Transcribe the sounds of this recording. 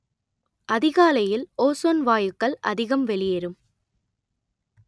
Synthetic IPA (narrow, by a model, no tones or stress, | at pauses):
ʔɐðɪɣaːlɐjɪloːsoːnʋaːjɯkːɐɭɐ̰ðɪɣɐmʋɛɭɪjɛɾɯm